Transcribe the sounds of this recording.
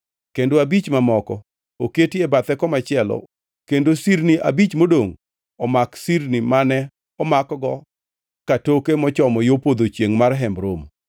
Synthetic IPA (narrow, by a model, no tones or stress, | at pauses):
kendoabit͡ʃmamɔkɔ | oketiebat̪ɛkɔmat͡ʃɪɛlɔ̰ | kendosiɾniʔa̰bit͡ʃmodoŋ | ɔmaksiɾnimanɛ | ɔmakɔɡɔ | katokemɔt͡ʃɔmɔjopod̪ot͡ʃjeŋmarɦɛmbɾom